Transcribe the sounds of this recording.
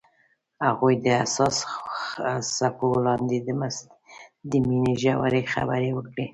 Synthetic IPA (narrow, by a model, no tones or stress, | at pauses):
haɣujd̪əasɑs | sapolɑnd̪ed̪əmas | d̪əminiʒawa̰ɾexa̰bəɾewəkɽi